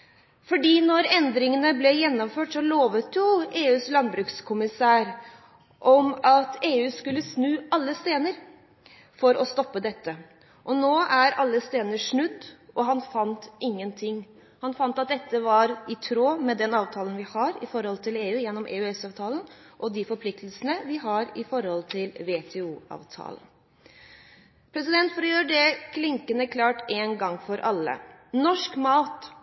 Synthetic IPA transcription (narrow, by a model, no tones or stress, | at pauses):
fɔɖiːnɔɾɛnd̪ɾɪŋənəblɛjɛnːɔmføːʈsɔloːʋət̪jʊeːʉːslɑnbɾʉkskʰʊmɪsæːɾ | ʔɔmɑt̪eːʉːskʉlːəsnʉːɑlːəst̪eːnəɾ | fɔɾʔɔst̪ɔpːəd̪ɛt̪ːə | ʔɔnoːʔæɾɑlːəst̪eːnəʂɳʉd̪ːʔɔɦɑnfɑnt̪ʔɪŋːənt̪ʰɪŋː | hɑnfɑnt̪ɑt̪̚d̪ɛt̪ːəʋɑɾɪt̪ʰɾoːmɛd̪ɛnɑːʋt̪ʰɑːlənʋɪhɑɾɪ̰fɔɾhɔlt̪ʰɪleːʉːjɛnːɔmʔḛːʉɛsɑːʋt̪ʰɑːlən | ʔɔd̪ɪfɔɾpʰlɪk̚t̪əlsənəʋɪɦɑɾɪfɔɾhɔlt̪ʰɪlʋet̪ʰɛuːɑ̰ːʋt̪ʰɑ̰ːlən̩ | pʰɾɛsɪd̪ɛnt̪fɔɾɔjøːɾəɖɛkʰlɪŋkənəkʰlɑːʈeːnɡɑŋːfɔɾʔɑlːə̰nɔʂkmɑːt̪